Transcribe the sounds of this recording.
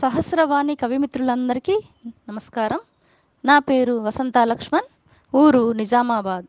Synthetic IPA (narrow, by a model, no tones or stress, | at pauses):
sɐɦɐsɾɐʋaːnikɐʋimit̪ɾuɭɐnd̪ɐɾiki | nɐmɐskaːɾɐm | naːpeːɾuʋɐsɐnt̪aːlɐkʂmɐn | uːɾunid͡ʒaːmaːbaːd̪